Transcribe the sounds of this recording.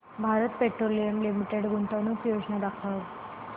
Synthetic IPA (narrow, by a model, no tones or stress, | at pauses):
bʱaɾət̪̚peʈɾolijəmlimiʈeɽɡuɳt̪anũːpjod͡ʑnad̪akʰaʋ